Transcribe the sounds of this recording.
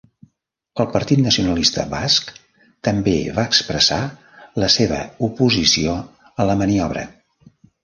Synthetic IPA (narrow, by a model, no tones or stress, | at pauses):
əlˠpəɾt̪it̪nəsiunəlist̪ə̰βask | t̪əmbeβaəkspɾəsa | ləseβ̞ə̰upuzisio | ələməniɔβɾə̰